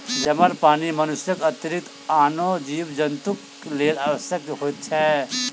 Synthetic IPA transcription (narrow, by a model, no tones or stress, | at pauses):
d͡ʒɐməɾpaːnimənʊsjəkət̪iɾɪk̚t̪ | aːnod͡ʒiːbd͡ʒənt̪uk | leːlaːʋəsjək̚ɦoːt̪̚t͡ʃʰɛ